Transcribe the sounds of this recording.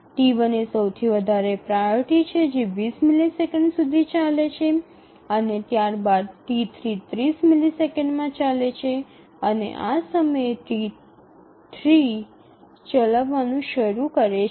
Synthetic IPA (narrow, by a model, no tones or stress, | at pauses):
ʈiʋənesəwt̪ʰiʋəd̪ʱaɾepɾaʈit͡ʃʰed͡ʒeʋismilisekə̃ɳɖsud̪ʱit͡ʃalet͡ʃʰe | ənet̪jaɾbad̪̚ʈit̪ʰɾit̪ɾismilisekəɳɖmãt͡ʃalet͡ʃʰe | ənḛʔasəməjet̪i | t̪ʰɾi | t͡ʃəlaʋːanũʃəɾukəɾe